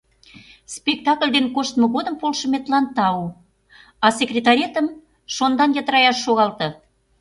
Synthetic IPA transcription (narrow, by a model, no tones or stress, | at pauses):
spʲek̚t̪ɑklʲd̪enkoʃt̪mə̆ɣod̪əmpolʃə̆met̪lɑnt̪ɑu | ɑsekrʲet̪ɑɾʲet̪əm | ʃond̪ɑnjət̪əɾɑjɑʃːoɣɑlt̪ɤ̆